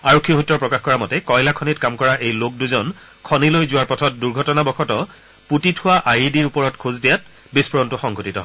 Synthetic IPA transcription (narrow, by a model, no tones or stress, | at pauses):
aɹokʰːiɔɦutːɔɹpɹɔkaxkɔɹamɔtɛkɔjlakʰɔnitkamkɔɹaʔejlok̚duzɔn | kʰɔnilojzʊwaɹpɔtʰɔt̚duɹɡʱɔtɔnabɔxʰɔtɔ | putitʰʊwaʔajidiɹupɔɹɔtkʰuzdijat̚ | bispɔɹɔntʊxɔŋɡʱotitɔɦɔ